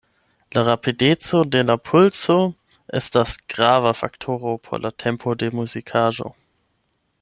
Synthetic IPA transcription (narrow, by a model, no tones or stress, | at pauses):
laʁapidet͡sodelapʰʊlt͡so | ʔɛ̰stasɡ̥ʁavafa̰ktʰoːʁopʰo̰lʔatʰɛmpʰodemuzikʰaːʒo̰